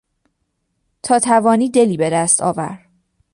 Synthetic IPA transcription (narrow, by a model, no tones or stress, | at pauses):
t̪ʰɒːt̪ʰævɒːniːd̪e̞liːbe̞d̪æst̪ʰɒ̰ːvæ̰ɾ